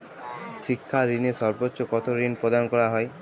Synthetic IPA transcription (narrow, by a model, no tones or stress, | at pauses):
ʃikʰːaɾinesɔɾbotːʃokɔt̪oɾinpɾod̪anɔkɔɾaɦɔe